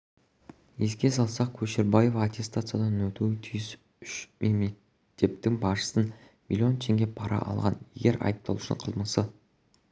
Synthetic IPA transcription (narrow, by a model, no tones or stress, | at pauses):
je̞skʲe̞sɑlˠsɑq̚kʲʰɵʃeɾbaje̞vɑːt̪ʲʰe̞st̪at̪sɨjad̪ɑnnɵt̪uwɪt̪ʰyjɪs | ʏʃmʔeme | t̪ʰe̞p̚t̪ɪŋbɑʃə̥sən | mʲḭlʲio̞nt̪ʰe̞ŋɡʲe̞pʰɑɾɑ̰ʔɑ̰lˠʁɑnje̞̰ɡʲe̞ɾʔɑ̰jəp̚t̪ɑlˠuʃɪ̰ɴqʰəlˠməsə